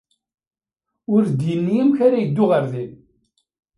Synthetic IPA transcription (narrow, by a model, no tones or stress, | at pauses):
ʊɾd̪jənːijəmçaɾajəd̪ːʊʁəɾðin